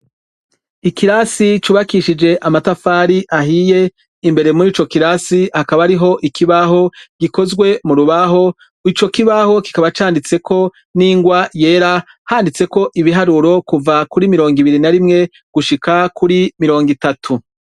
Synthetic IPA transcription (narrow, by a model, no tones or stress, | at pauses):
ikiɾasit͡ʃuβakiʃid͡ʒe̞ʔamatafaːɾiʔaɦije̞ | imbe̞ɾe̞muɾiːt͡ʃo̞kiɾasihakaβaɾiɦo̞ʔikiβaɦo̞ɡ̥iko̞zɡwe̞muɾuβaɦo̞ | it͡ʃo̞kiβaho̞ki̥kaβat͡ʃaːndit͡se̞kʰo̞ | niːŋɡwaje̞ːɾa | haːndit͡se̞ko̞ʔiβiɦaɾuɾo̞kuvakuɾimiɾo̞ːŋɡiβiɾinaɾimŋe̞ | ɡ̥uʃikakuɾimiɾo̞ːŋɡitatʰu